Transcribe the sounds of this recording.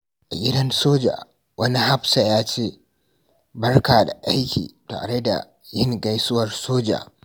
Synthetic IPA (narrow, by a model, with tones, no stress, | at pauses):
ʔa˨ɡʲɪ˦dɐ˦nsoː˦d͡ʒa̰ː˨ | wɐ˦ni˦ha˦ɸsa˨jaː˦t͡ʃeː˦ | bɐ˦rkaː˨da̰˨ʔa˦jkʲḭː˨ta̰ː˨ɽe˦da̰˨ | jɪ˦ŋɡa˦jsʊ˦wɐ˨rsoː˦d͡ʒa̰ː˨